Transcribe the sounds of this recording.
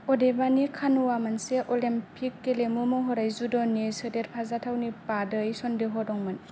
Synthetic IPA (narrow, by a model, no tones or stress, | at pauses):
ɔdebanikʰanuwamanseʔɔlimpʰikːelemumɔɦɔɾajzudɔnesɯdeɾpʰazatʰawnipadɯjsɔndeɦɔdɔŋmɯn